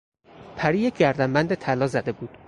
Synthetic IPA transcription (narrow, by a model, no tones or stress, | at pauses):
pʰæɾiːjekʰʲɡæɾd̪æmbænd̪et̪ʰælɒːzæd̪e̞buːd̪̥